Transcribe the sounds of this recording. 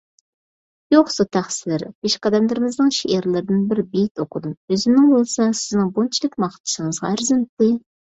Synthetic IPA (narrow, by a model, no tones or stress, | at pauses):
joχsut̪ʰæχsɪɾbeʃqɑd̪ɛmlˠɨɾɪmɪznɨŋʃeʔeɾlˠɪɾɪd̪ɪnbɪɾbejt̪oqʰʊd̪ɨmøzɪmnɪŋbolˠsɑsɪznɪŋbont͡ʃʰilˠɪkʲmɑχt̪ʰɨ̥ʃɪŋəzʁɑ̰æɾzɪnt̪ːɨ